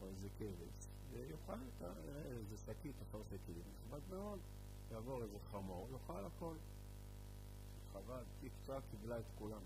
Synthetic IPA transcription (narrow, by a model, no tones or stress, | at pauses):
ozekevḛs | vejuχalet̪a̰ | ezesakit̪afalsekiimiχvadmeo̞d̪ | jaːvo̞ʁezeχamoʁjuχalako̞l | χavaltikt͡sakivlaet̪kulam